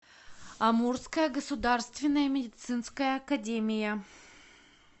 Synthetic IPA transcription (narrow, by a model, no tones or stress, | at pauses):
ɐmurskəjəɡəsʊd̪arst̪vʲɪnːəjəmʲɪdʲɪt̪sɨnskəjəɐkɐdʲemʲɪjə